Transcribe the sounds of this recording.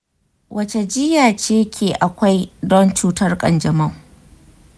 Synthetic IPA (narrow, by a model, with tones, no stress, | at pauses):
wʔɐ˦˨t͡ʃe˨d͡ʒɪ˦jaː˨t͡ʃeː˦kʲʰeː˨ʔa˨kʷa˦jdɔ˦nt͡ʃuː˦tɐ˦rkʼɐ̰˨nd͡ʒɐ˨mɐ˦˨ŋ